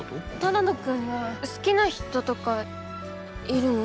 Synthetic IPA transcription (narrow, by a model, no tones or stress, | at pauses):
t̪anad̪okɯnːosɨ̥kʲinaçi̥t̪o̞t̪o̞ka | iɾɯ̟no